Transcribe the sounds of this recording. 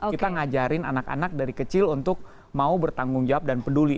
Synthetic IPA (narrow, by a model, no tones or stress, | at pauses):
oit̪aŋad͡ʒaɾɪnanaka̰nak̚daɾikət͡ʃɪlunt̪ʊk̚ | maubərt̪aŋɡʊŋd͡ʒawap̚danpəduli